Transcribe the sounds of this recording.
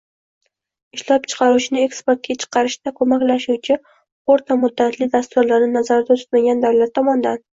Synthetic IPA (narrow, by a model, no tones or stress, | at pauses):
ɪʃlɒp̚t͡ʃʰɨ̥qʰɑɾut͡ʃʰɪnɪe̞kspeɾt̪̚ɡʲat͡ʃʰɨ̥qʰɑɾɪʃd̪akʰomakʲlaʃuwt͡ʃʰɪ | oɾt̪ʰamʊd̪ːat̪ʰlɪd̪ast̪ʊɾlaɾnɪnazaɾd̪at̪ʰʊ̥t̪maɡʲand̪awlat̪ʰːɒmɒnd̪an